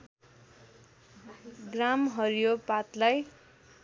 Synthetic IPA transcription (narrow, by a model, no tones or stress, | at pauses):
ɡramɦʌɾjopat̪laj